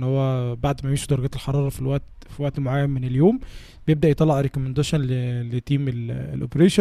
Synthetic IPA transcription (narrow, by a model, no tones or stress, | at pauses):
nhowːæbaʕd̪mæjmiːʃud̪ɑɾˤɑɡæːt̪elħɑɾˤɑːɾˤɑfilwæʔt̪ | filwæʔt̪moʕajːæmmeneljoːm | bejeb̚d̪æʔjet̪ˤɑlːɑʕɾekomend̪æːʃɑnlelet̪ːiːmelḛlʔopeɾeːʃ